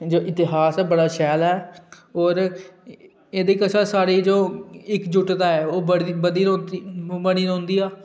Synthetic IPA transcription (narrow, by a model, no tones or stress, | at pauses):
d͡ʒoːʔɪt̪ɪɦaːsɛːbəɽaːʃɛːlɛː | ɔːɾ | eːd̪eːkəsaːsaːɽiːd͡ʒoːɪkd͡ʒʊʈd̪aːɛːoːbəɽibəd̪iːnõbəɽ̃iːnõːnd̪iːaː